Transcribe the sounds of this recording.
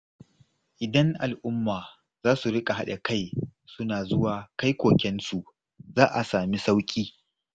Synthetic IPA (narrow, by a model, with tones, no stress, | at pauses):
ʔɪ˨dɐ˦ŋʔa˨lʔʊ˦mːaː˨ | zaː˦su˨ɽɪ˦kʼa˨ɦa˦ɗɐ˨ka˦jsʊ˦naː˨zʊ˦waː˨ka˦jkʷoː˨kʲɛ˦nsu˨ʔ | zaː˦ʔa˨saː˨mi˦sa˦wkʲʼiː˦